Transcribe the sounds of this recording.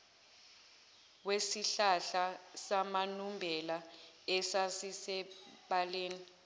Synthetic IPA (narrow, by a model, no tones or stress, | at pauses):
wesiɬaɬasamanumbʱɛlaɛsasisɛɓaleːni